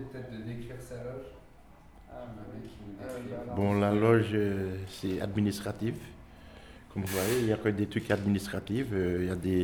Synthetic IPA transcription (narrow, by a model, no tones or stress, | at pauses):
t̪ɛt̪d̪d̪ɛʁsalɔʒ | bɔ̃lalɔʒøsɛa̰d̪minist̪χat̪if | kɔmvuvwajeiljakød̪et̪χykad̪minist̪χat̪iføiljad̪e